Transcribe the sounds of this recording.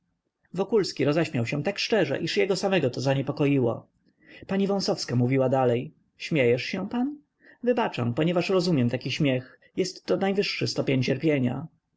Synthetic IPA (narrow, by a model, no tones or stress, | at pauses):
vɔkulskʲiɾɔzɛɕmʲjawɕɛ̃t̪akʂt͡ʂɛʐɛ̰ʔiʂjɛɡɔsamɛɡɔt̪ɔzaɲɛpɔkɔjiwɔ̰ | paɲivɔ̃w̃sɔfskamuvʲiwad̪alɛj | ɕmʲjɛjɛʂɕɛ̃pan | vɘbat͡ʂa̰mpɔɲɛvaʂɾɔzumʲjɛmt̪akʲiɕmʲjɛx | jɛst̪ːɔnajvɘʂːɘst̪ɔpʲjeɲt͡ɕɛɾpʲjeɲa̰